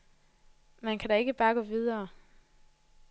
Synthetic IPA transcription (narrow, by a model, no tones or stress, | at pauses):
mænkʰæɾɑ̈e̝ɡ̥əb̥ɑ̈ːɡ̥ɔ̽ːʋið̞ˠɐː